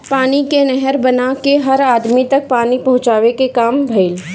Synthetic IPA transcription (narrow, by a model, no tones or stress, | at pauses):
paːnikenɛɦɛɾbɐnakeɦɐɾaːd̪mit̪ɐk̚paːnipɐɦʊ̃t͡ʃaːʋekekaːmbʱɐɪl